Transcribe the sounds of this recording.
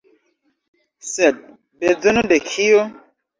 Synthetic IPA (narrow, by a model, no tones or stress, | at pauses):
sɛt̚ | bed͡zənodekʰijo